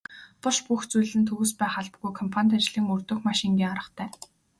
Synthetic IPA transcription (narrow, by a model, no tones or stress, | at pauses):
pʊʃpuxt͡sujɮɘ̆nt̪ʰɵɣuːspæːχaɮpɡujkʰɔmpʰanʲt̪at͡ɕɮiːŋɵrt̪ɵ̆xmaʃĭŋɡʲiːŋaɾə̆t̪ʰæː